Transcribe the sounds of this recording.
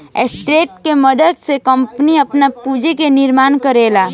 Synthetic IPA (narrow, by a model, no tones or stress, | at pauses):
ḛsʈɾeːʈ̚kemɐd̪əd̪sekɐ̃mpniɐpnapuːd͡ʒekenɪɾmaːnkəɾeːlaː